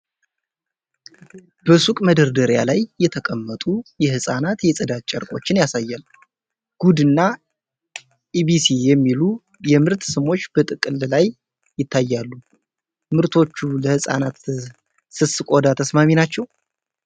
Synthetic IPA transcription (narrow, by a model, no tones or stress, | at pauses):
b̥əsukʼməd̪əɾd̪əɾja̰lajːɛt̪ʰəkʼəmːət̪ʼujɛhɨsʼanat̪jɛsʼɨd̪at̪̚t͡ʃʼɛɾkʼo̞̰t͡ʃːɪnjasajːal | ɡ̥ud̪ɨnːa | ʔibisijɛmːilu | jɛmɨɾt̪sɨmo̞t͡ʃːb̥ət̪ʼɨkʼɨlːlajː | ɪt̪ʰːajːalːu | mɨɾt̪ʰo̞t͡ʃːuləhɨsʼa̰nat̪ | sɨsɨkʼod̪at̪ʰəsmaminat͡ʃːɛw